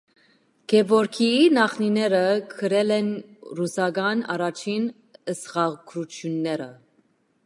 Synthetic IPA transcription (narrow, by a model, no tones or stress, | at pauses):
kʰɛvɔɾkʰiinɑχninɛɾəkʰəɾɛlɛnrusɑɡɑnɑ̰ɾɑt͡ʃʰin | əsχɑɡʰɾutʰjunːɛɾə